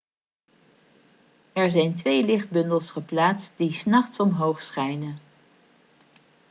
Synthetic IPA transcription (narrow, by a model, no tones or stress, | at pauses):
ɛɹzɛjntʋejlɪχd̚bɵndəlˠsχəplaːtst̚d̥isnɑχtsɔmɦowχsχɛjnən